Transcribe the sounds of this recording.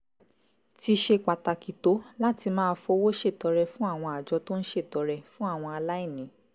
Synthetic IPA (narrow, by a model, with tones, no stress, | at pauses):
ti˧ʃe˧k͡pa˨ta˨ki˨to˨˦la˦ti˧mãː˦˧˦fo˧˦wo˦ʃe˦˨tɔ˨˧˦ɾɛ˧fũ˦a˦˨w̃ɔ̃˧a˨d͡ʒɔ˧˦to˦n̩˦ʃe˦˨tɔ˨˧˦ɾɛ˧˨fũ˦a˦˨w̃ɔ̃˧a˧la˦i˦˨nĩ˨˦